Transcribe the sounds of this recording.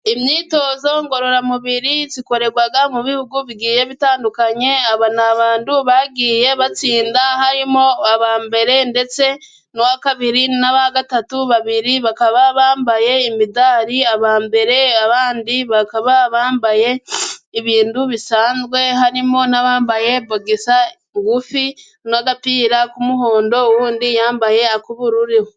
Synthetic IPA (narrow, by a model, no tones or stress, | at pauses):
imɲiːto̞ːzoŋɡo̞ɾo̞ɾamuβiɾiziko̞ɾe̞ɡwaɡamuβihuɡuβiɡiːje̞βitaːndukaɲe̞aβanaβaːnduβaɡiːje̞βat͡siːndahaɾimo̞aβaːmbe̞ɾe̞nde̞t͡se̞ | nowakaβiɾinaβaaɡatatuβaβiɾiβakaβaβaːmbaje̞imidaːɾiaβaːmbe̞ɾe̞aβaːndiβakaβaβaːmbaje̞iβiːnduβisaːnzwe̞ɦaɾimo̞naβaːmbaje̞boɡesa | ŋɡufi | naɡapiːɾakumuɦo̞ːndo̞wuːndijaːmbaje̞akuβuɾuɾiho